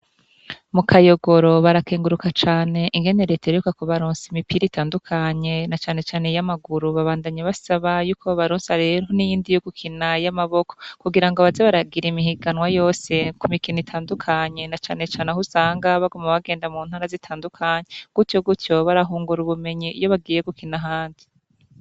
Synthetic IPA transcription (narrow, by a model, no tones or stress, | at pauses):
mukʰajo̞ɡo̞ɾo̞βaɾakeːŋɡuɾukat͡ʃaːne̞ʔiŋɡe̞ne̞ɾetaɾukakoβaɾoːnsimipiɾitʰaːndukʰaɲe̞nat͡ʃaːne̞t͡ʃaːne̞jamaɡuɾuβaβaːndaɲaβasaβajuːkʰo̞βaɾuːnsaɾe̞ɾhonijiːndijoɡukʰinajamaβo̞kokuɡiɾaŋɡo̞βazeβaɾaɡiɾimihiɡanwajo̞ːse̞kumikinitʰaːndukʰaɲe̞nat͡ʃaːne̞t͡ʃaːnehusaːŋɡaβaɡumaβaɡe̞ːndamuːn̥haɾazitʰaːndukʰaːɲeɡ̥utjo̞ɡutjo̞βaɾaɦuːŋɡuɾuβume̞ɲijo̞βaɡiːje̞ɡukʰinaɦaːndi